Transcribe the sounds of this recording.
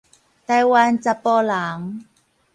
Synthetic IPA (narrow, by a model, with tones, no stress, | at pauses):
t̪a˧jwa˧nt͡sa˧pːɔ˧la˨˦ŋ